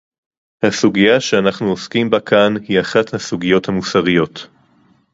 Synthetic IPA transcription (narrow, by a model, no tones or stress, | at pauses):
hasuɡijaʃeanaχnuoskimbakʰanhiaχathasuɡijo̞thamusaʁijo̞t